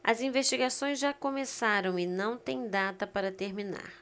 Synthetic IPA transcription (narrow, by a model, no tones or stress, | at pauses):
ɐ̰zĩvest͡ʃiɡasõj̃zʒakomesaɾɐ̃w̃ɪnɐ̃w̃t̪ẽj̃d̪at̪ɐpaɾɐt̪eɾmina̰ɾ